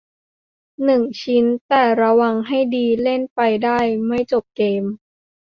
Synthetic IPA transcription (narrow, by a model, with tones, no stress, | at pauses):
nɯ˨˩ŋt͡ɕʰi˦˥nt̪ɛː˨˩ɾa˧wa˧ŋɦa˥˩jdiː˧le˥˩npa˧jdaː˥˩jma˥˩jt͡ɕo˨˩p̚keː˧m